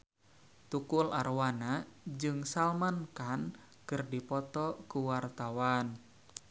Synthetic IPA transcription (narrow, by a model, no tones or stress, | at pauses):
t̪ukulʔarwanad͡ʒɨŋsalmankan | kɨrdipɔt̪ɔkuwart̪awan